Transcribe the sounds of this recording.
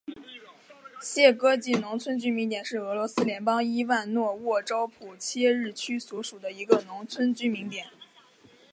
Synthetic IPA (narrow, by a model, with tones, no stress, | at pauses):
ɕjɛ˥˩kɤ˥t͡ɕi˥˩nʊ˧˥ŋt͡sʰwə˥nt͡ɕy˥mi˧˥ŋt̪jɛ˨˩nʂɻ̩˥˩ɤ˧˥lwɔ˧˥sɹ̩˥ljɛ˧˥npɑ˥ŋi˥wa˥˧nnwɔ˥˧wɔ˥˩ʈ͡ʂɑ˥ʊpʰu˨˩t͡ɕʰjɛ˥ɻɻ̩˥˩t͡ɕʰy˥swɔ˧˥ʂu˨˩d̪ə˦i˧˥ɡə˧nʊ˧˥ŋt͡sʰwə˥nt͡ɕy˥mi˧˥ŋt̪jɛ˨˩˦n